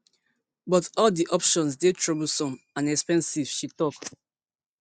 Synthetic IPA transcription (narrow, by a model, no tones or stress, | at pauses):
bɔtɔldiʔɔpʃɔ̃nsdetʰɹɔbl̩sɔ̃mãnɛkspɛ̃nsiv̥ʃitɔk